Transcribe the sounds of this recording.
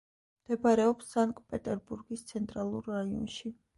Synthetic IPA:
md̪̥ɛbaɾɛɔpsːaŋkʼpʼɛt̪ʼɛɾbuɾɡist̪sʰɛnt̪ʼɾalˠuɾːaiɔ̰nʃi

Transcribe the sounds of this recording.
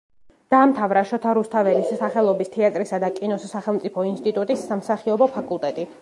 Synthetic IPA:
d̪̥aːmt̪ʰavɾaʃɔt̪ʰaɾust̪ʰavɛlissaχɛlˠɔbist̪ʰiat̪ʼɾisad̪akʼinɔsːaχɛlˠmt̪sʼipʰɔinst̪ʼit̪ʼut̪ʼisːamsaχiɔbɔpʰakʼulˠt̪ʼɛt̪ʼi

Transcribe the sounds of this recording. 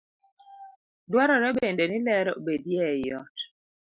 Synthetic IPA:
dwaɾɔɾɛbendenilɛɾɔbedjɛjɔt

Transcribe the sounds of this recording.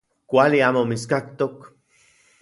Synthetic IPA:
kʷaliaːmomit͡skak̚t̪ok

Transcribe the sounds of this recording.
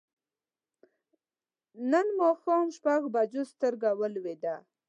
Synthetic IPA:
nənmoxomʃpaɡbad͡ʒost̪əɾɡawəlwed̪a

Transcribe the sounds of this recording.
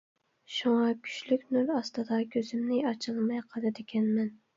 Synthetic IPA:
ʃuŋɑkʲʰy̥ʃlykʲnylɑst̪ɨd̪ɑkʲʰøzymnɪɑt͡ʃʰɨlˠmɑjqʰɑlˠɨd̪ɪkʲʰɛnmɛn

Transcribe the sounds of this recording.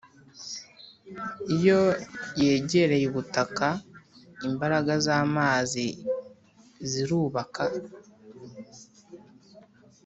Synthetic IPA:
ijo̞je̞ːɟe̞ɾe̞jiβutaka | imbaɾaɡazaːmaːzi | ziɾuːβaka

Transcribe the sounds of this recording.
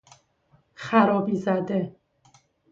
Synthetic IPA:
xæɾɒːbiːzæd̪e

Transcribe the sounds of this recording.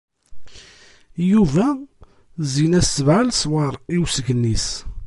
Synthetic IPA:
juvæ | zinæsəvʕalswɑɾˤiwsəɡənːis

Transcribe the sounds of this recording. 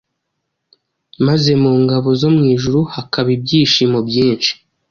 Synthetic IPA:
maze̞muːŋɡaβo̞zo̞mŋiːʒuɾuhakaβib̚ɟiːʃiːmobɟiːnt͡ʃi̥

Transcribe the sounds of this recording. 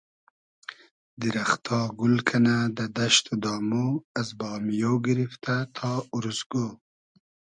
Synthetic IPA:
d̪iɾaχt̪ʰɑːɡulkʰanad̪ad̪aʃt̪ud̪ɑːmuazbɑːmijoːɡiɾift̪ʰat̪ʰɑːuɾusɡo

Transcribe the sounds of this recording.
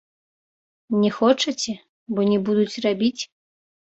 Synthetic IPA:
nʲɛxɔt͡ʂɐt͡sʲɛ | bɔnʲɛbud̪ut͡sʲrabʲit͡sʲ

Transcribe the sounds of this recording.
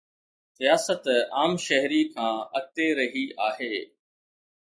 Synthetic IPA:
sijaːsət̪aːmʃɐɦɾikʰãːɐk̚t̪eɾɐɦiaːɦeː

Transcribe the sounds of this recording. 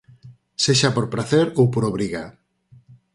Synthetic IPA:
seʃapoɾpɾaθeɾowpoɾoβ̞ɾiɣa

